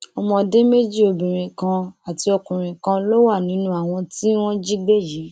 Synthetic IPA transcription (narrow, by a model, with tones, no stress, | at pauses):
ɔ˧mɔ̃˧de˦me˦d͡ʒi˦o˧bĩ˨ɾ̃ĩ˨kã˧a˨ti˧ɔ˧kũ˨ɾ̃ĩ˨kã˧lo˦wa˦˨nĩ˨˦nũ˦a˦˨w̃ɔ̃˧ti˦w̃ɔ̃˦d͡ʒi˦ɡ͡be˦˨ji˨˦